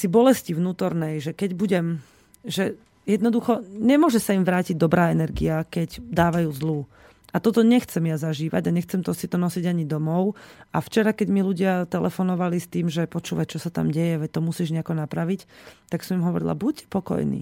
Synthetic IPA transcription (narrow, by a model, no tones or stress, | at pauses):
sibɔlɛscivnuːt̪ɔɾnɛjʒɛkɛɟbuɟɛm | ʒɛ | jɛd̪nɔd̪uxɔɲɛmʊɔʒɛsaimʋɾaːciɟ̚d̪ɔbɾaːɛnɛɾɡḭakɛɟd̪aːʋajuːzluː | at̪ɔt̪ɔɲɛxt͡sɛmjazaʒiːʋa̰ɟaɲɛxt͡sɛmt̪ɔsit̪ɔnɔsiɟaɲid̪ɔmɔʊʔaft͡ʃɛɾakɛɟmiluɟɪat̪ɛlʔɛ̰fɔnɔʋalist̪iːmʒɛpɔt͡ʃuːʋact͡ʃɔsat̪a̰mɟɛjɛʋɛt̪ɔmusiːʒɲɛakɔnapɾaʋict̪aksɔmimɦɔʋɔ̰ɾḭla̰buc̚pɔkɔ̰jnḭː